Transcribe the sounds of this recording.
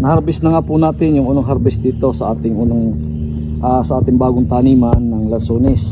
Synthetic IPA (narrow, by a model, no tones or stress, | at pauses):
nɐhɐɾbɪsnɐŋaːpunaːt̪ɪnjʊŋʔʊnoŋɦɐɾbɪsd̪iːt̪o̞sɐʔaːt̪ɪŋʔʊnoŋ | ʔasɐʔaːt̪ɪŋbaːɡʊŋt̪aːniːmɐnːɐŋlɐsoːnɪs